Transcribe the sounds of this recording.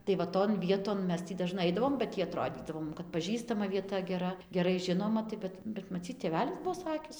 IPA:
tɐɪ ʋɐ ˈtoːn ˈʋʲiɛtoːn ˈmʲɛs ˈtʲiː dɐˈʒnɐɪ ˈɐɪdɐʋoːm bɐ ˈtʲiː ɐˈtroːdʲiːdɐʋoː ˈmʊm kɐt pɐˈʒʲiːstɐmɐ ʋʲiɛˈtɐ ɡʲɛˈrɐ ɡʲɛˈrɐɪ ˈʒʲɪnoːmɐ tɐɪ ˈbʲɛt bʲɛt mɐˈt͡sʲiːt tʲeːˈʋʲæːlʲɪs ˈbuɔ ˈsɑːkʲɪs

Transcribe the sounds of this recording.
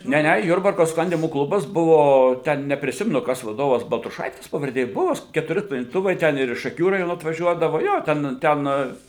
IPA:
ˈnʲɛ ˈnʲɛ ˈjʊrbɐrkoː ˈsklˠɐnʲdʲiːmoː ˈklˠʊbɐs ˈbʊʋoː ˈtʲɛn nʲɛpʲrʲɪˈsʲɪmʲɛnʊ ˈkɐs ʋɐˈdoːʋɐs bɐlˠtrʊˈʃɐɪtʲɪs pɐʋɐrʲˈdʲeː ˈbuɔ s kʲɛtʊˈrʲɪ sklˠɐnʲdʲiːˈtʊʋɐɪ ˈtʲɛn ɪr ɪʃ ʃɐˈkʲuː rɐˈjoːnoː ɐtʋɐˈʒʲuɔdɐʋoː ˈjoː ˈtʲɛn ˈtʲɛn

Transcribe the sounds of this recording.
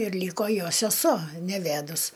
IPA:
ɪr ˈlʲiːkoː ˈjoː sʲɛˈsuɔ nʲɛˈʋʲædʊs

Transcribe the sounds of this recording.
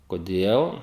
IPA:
koːˈdʲeːlˠ

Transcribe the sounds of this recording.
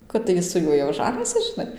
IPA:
kɐt tɐɪ ˈjɪ sʊ ˈjuɔj jɛʊ ˈʒɑːnʲiːsʲɪs ʒʲɪˈnɐɪ

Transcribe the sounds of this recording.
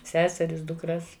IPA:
ˈsʲæːsʲɛrʲɪs dʊkˈrɐs

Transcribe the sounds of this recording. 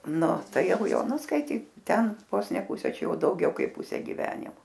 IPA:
ˈnʊ ˈtɐɪ ˈjɛʊ ˈjoː ˈnʊ skɐɪˈtʲiːk ˈtʲɛn ˈʋoːs nʲɛ ˈpʊsʲɛ ˈt͡ʃʲɛ ˈjɛʊ dɐʊˈɡʲɛʊ ˈkɐɪp ˈpʊsʲɛ ɡʲɪˈʋʲæːnʲɪmoː

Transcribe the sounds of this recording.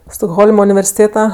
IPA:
stoːɡˈɣoːlˠmɐ ʊnʲɪʋʲɛrʲsʲɪˈtʲeːtɐ

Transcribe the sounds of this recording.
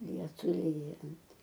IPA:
ˈlʲiɛtʊɪ ˈlʲiːjɛnt

